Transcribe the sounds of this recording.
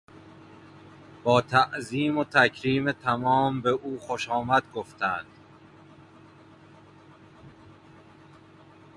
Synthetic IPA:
b̥ɒːt̪ʰæʔziːmot̪ʰæcʰɾiːmet̪ʰæmɒːmbeʔuːxoʃɒːmæd̪̥ɡoft̪ʰænd̪̥

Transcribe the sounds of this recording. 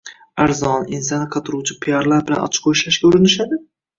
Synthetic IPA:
aɾzɒnins̬ɑnɨqʰɑt̪ʰʊɾuwt͡ʃʰɪpʰijɒɾlaɾbɪla̰nɒ̰t͡ʃʰɪ̥qʰoʃaʃkʲaʊɾɪnɪʃad̪ɪ

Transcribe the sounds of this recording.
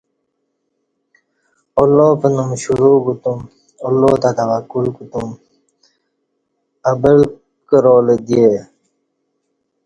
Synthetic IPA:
olːoːpənumɕuɾuːkut̪um | olːoːt̪at̪ɐʋakːulkut̪um | ɐbəl | kəɾoːled̪ie

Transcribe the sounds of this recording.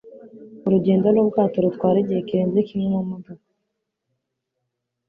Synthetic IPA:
uɾuɟeːndolob̚ɡaːtoɾut̪kwaːɾeɟejekiɾeːnzekimɲemomudo

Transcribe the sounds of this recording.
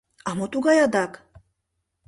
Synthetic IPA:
ɑmot̪uɡɑjɑd̪ɑk

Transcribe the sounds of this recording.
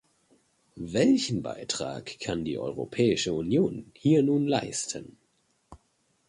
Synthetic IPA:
vɛlçn̩ba̰ɪtʁ̥a̰ːkʰːandḭːʔɔ̰ʏʁ̞o̰pʰɛːɪʃəunjoːnhiːɐnuːnlaɪstʰən

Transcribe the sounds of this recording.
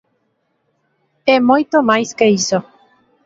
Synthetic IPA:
ɛmojt̪omajskeiso

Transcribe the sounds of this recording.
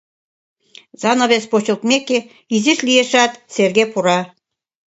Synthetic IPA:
zɑnoβespot͡ɕɤ̆lˠt̪meke | iziʃlijeʃɑt̪serɡepuɾɑ

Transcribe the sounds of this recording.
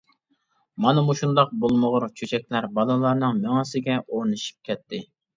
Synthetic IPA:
mɑnɨmuʃund̪ɑq̚bolˠməʁʊɾt͡ʃʰøt͡ʃʰɛk̚ʲlæɾbɑlˠɨlˠɑɾnɨŋmeŋɑsɪɡʲɛʔoɾnɨʃi̥p̚kʲɛt̪ʰːɪ

